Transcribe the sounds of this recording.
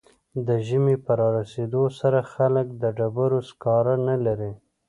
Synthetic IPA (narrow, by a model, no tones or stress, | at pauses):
d̪əʒəmepəɾɑɾased̪osaɾaxalək̚d̪əɖabaɾoskɑɾanalaɾi